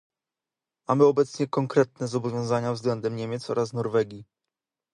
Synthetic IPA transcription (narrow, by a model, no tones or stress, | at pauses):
mamɘɔbɛt̪sɲɛkɔŋkɾɛt̪̚nɛzɔbɔvʲjɔ̃zaɲavzɡlɛnd̪ɛmɲɛmʲɛt̪sɔ̰ɾasnɔɾvɛɡʲi